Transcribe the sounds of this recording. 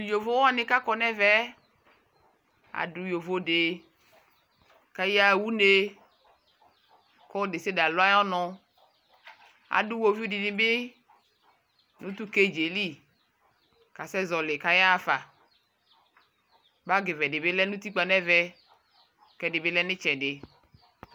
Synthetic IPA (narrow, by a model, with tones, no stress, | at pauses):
jo˨vo˦wa˦˨nɪ̃˦ka˦kɔ˦nɛ˦vɛ˦ | a̰˨du˨˦jo˨vo˦de˨ | ka˦ja˦wu˦ne˦ | kɔ˦de˨se˦da˨lʊ˦a˦jɔ˦nɔ̃˨ | a̰˨du˦wo˨vi˦di˨nĩ˨˦bɪ˦ | nũ˦t̪u˦ke˦d͡ʒe˨li˦˨ | ka˨sɛ˦zɔ˨lɪ˨ka˦ja˦˨fa˨ | ba˦ɡe˨vɛ˨ɖe˨be˦lɛ˦nũ˦t̪i˦k͡pa˨nɛ˦vɛ˦ | kɛ˨ɖe˨be˦lɛ˦nɪ̃˦t͡ʃɛ˨ɖɪ˨